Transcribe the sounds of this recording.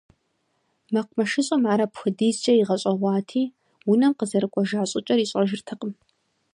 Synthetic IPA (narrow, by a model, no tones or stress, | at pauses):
mɐqʷmɐʃɪɕʼɐmaːɾɐpxɨdiːzd͡ʒʼɐɪʁɐɕʼɐʁʷɑːtʰiː | wʊnɐmqəzɐɾɨkʷʼɔʒaːɕʼɪt͡ʃʼɐriːɕʼɐʒɪrtʰɨqəm